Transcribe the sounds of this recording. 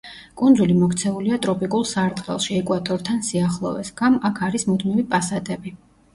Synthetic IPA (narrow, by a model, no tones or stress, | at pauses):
kʼund̪zulimɔkʰt̪sʰɛuliat̪ʼɾɔpʼikʼulˠsaɾt̪ʼqʼɛ̰lˠʃiɛkʼwat̪ʼɔɾt̪ʰansiaχlˠɔvɛsɡamakʰaɾismud̪mivipʼasat̪ʼɛbi